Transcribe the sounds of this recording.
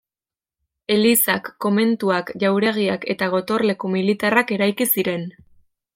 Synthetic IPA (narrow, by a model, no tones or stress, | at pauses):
e̞lisakːo̞me̞nt̪uakʝawɾe̞ɣ̞iake̞̰t̪aɣ̞o̞t̪o̞rle̞komilit̪arake̞ɾajkisiɾe̞n